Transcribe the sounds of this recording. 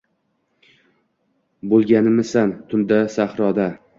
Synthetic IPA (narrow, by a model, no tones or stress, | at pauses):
bolˠɡʲanɪmɪsant̪ʰʊnd̪asahɾɒd̪a